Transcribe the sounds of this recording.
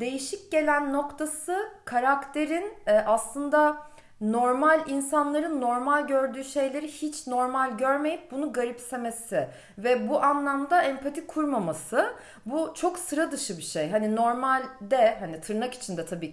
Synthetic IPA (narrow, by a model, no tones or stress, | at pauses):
d̪e̞jiʃic̚ɟe̞lʲænːo̞kt̪ʰasɯkʰaɾakt̪ʰe̞ɾinɛʔaslˠɯnd̪a | no̞ɾmalʲinsanlˠaɾɯnːo̞ɾmalʲɟø̞ɾd̪yːʃe̞jlʲe̞ɾihit͡ʃno̞ɾmalʲɟøɾme̞jip̚bunuɡaɾipse̞me̞sɪ | vɛbuʔanlˠamd̪aɛmpʰat̪ʰikʰuɾmamasɯ | but͡ʃʰo̞ksɯɾad̪ɯʃɯbiʃejɦanino̞ɾmalʲd̪ɛɦanit̪ʰɯɾnaki̥t͡ʃʰind̪ɛt̪ʰabiːc